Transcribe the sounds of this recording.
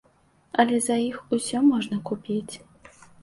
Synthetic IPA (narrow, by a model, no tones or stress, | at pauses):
ɐlʲɛzɐjixusʲɔmɔʐnɐkupʲit͡sʲ